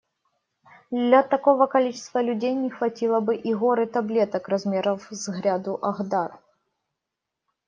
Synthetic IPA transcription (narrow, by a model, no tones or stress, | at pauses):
d̪lʲɐt̪ɐko̞vəkɐlʲit͡ɕɪ̥st̪vəlʲʉdʲejnʲɪxvɐtʲilˠəbɨʔiɣo̞ɾɨt̪ɐblʲet̪əkrɐzmʲeɾəvzɣɾʲad̪ʊʔɐɣd̪ar